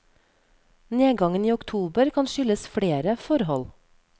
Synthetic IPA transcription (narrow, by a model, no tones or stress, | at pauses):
neːɡɑŋəniːʊkt̪ʰuːbəɾkʰɑnʃʏləsfɽeːɾəfɔɾhɔl